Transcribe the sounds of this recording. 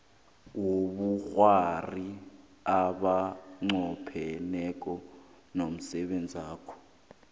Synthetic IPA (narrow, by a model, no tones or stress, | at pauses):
woɓuxwari | aɓaŋ͡ǀɔpʰɛnɛk̬ʼɔ | nom̩sɛɓend͡zʱiaːkʰɔ̥